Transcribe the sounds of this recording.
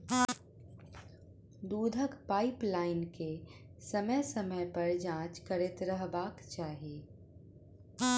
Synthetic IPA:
d̪uːd̪ʱəkpaːɪplaːɪnkesəməjsəməjpɐɾd͡ʒãːt͡ʃkəɾet̪ɾəɦbaːkt͡ʃaːɦieː

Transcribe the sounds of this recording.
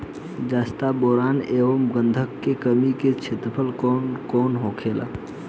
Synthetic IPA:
d͡ʒaːst̪aboɾaːneːʋəmɡənd̪ʱəkːekəmiket͡ʃʰet̪əpʰəlkɔnkoːnɦokʰela̰

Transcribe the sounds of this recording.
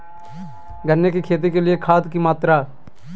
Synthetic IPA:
ɡʱɐnːekikʰeːt̪̬ikeliekʰaːd̪kimaːt̪ɾa

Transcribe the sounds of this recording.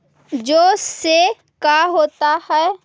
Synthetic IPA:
d͡ʒoːse | kaɦoːt̪ahɛː

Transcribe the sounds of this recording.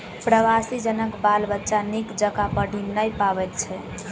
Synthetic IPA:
pɾəʋasid͡ʒənəkbalbətːʃanikd͡ʒəkapəɽʱinnəjpaβɛt̪̚t͡ʃʰɛ

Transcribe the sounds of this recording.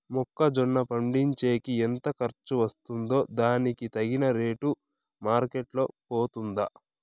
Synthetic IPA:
mɔkːɐd͡ʒɔɳːɐpɐɳɖiɲt͡ʃe̞ːkient̪ɐkɐɾt͡ʃːuʋɐst̪und̪o̞ːd̪aːnikit̪ɐɡinɐɾe̞ːʈu | maːɾkeʈlo̞ːpoːt̪und̪ɐ

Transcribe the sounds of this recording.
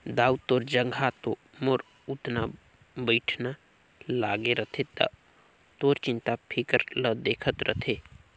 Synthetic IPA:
d̪aːut̪oːɾd͡ʒə̃ŋɡʱat̪o | moɾ | ut̪na | bəɪʈʰna | laːɡeɾət̪ʰed̪a̰ | t̪oːɾt͡ʃɪ̃nt̪apʰikəɾləd̪eːkʰət̪ɾʔə̰t̪ʰe

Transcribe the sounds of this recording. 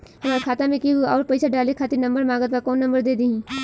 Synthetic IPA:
hɐmaːɾekʰaːt̪ãmẽkiuɔːɾpɐjsʰaɖaːlekʰaːt̪ɪɾnɐ̃mbəɾmaːɡət̪̚bakɔːnːɐ̃mbəɾd̪eːd̪iɦĩː

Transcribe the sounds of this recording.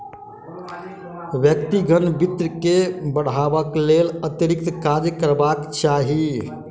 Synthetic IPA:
ʋjək̚t̪iɡʱənbit̪ɾəkebəɽ̤abəklelət̪jəɾik̚t̪kad͡ʒkəɾbakt͡ʃaɦi

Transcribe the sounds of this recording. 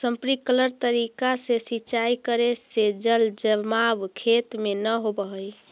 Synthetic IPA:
səmpɾikələɾt̪əɾikasesit͡ʃajkəɾesed͡ʒəld͡ʒəmabkʰet̪menəɦobəɦəj

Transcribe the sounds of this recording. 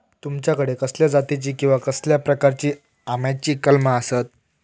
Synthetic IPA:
t̪umt͡ɕjakəɽekəsljad͡zat̪it͡ɕiːkĩw̃ʋakəsljapɾəkaɾt͡ɕiː | amjat͡ɕiːkəlməasət̪̚

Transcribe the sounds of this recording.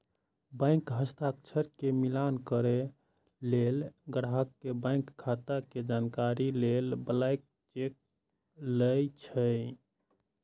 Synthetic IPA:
bə̃ɪŋkɦəst̪ʰak̚t͡ʃʰəɾkemilankəɾe | lelɡəɽaɦəkːebãɪŋkʰːat̪aked͡ʒankaɾilelbəlajk̚ | t͡ʃek̚ | ləjt͡ʃʰəj

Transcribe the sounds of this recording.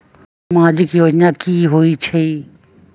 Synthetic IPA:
mãːd͡ʒikioːd͡ʒnãːkiːɦoit͡ʃʰe

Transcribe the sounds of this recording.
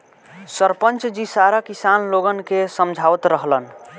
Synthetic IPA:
səɾpənt͡ʃd͡ʒisaɾakisanloɡənkesəmd͡ʒʱawt̪ɾəɦlən

